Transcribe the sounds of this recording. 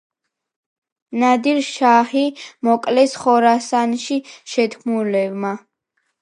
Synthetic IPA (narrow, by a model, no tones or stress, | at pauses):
nad̪iɾʃahimɔkʼlɛsχɔɾasanʃiʃɛt̪ʰmulɛvma